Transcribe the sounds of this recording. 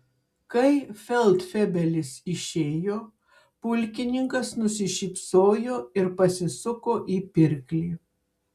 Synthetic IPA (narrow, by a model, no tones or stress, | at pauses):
kɐɪfʲɛlˠt̪fʲɛbʲɛlʲɪsɪʃʲeːjoː | pʊlʲkʲɪnʲɪŋkɐsnʊsʲɪʃʲiːpsoːjoːɪɾpɐsʲɪsʊkoːʔiːpʲɪɾʲkʲlʲiː